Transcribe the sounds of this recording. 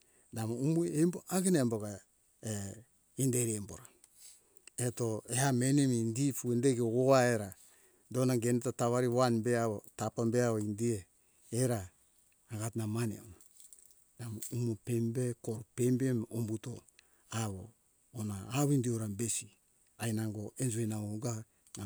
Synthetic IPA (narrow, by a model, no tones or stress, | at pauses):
damoumuemboʔaɡenamboɡa | e | indeɾiemboɾa | eto̞ehame̞nemindifuendeɡeɡoaeɾa | do̞naɡe̞netataβaɾiwanbeaβotapambeaβoindieː | ɾaː | ɡatnamanḛona | namumopembe̞koɾupembemombuto̞ | aβoː | naːβindioɾambe̞si | ajnaŋɡo̞end͡ʒuenaoɡa | a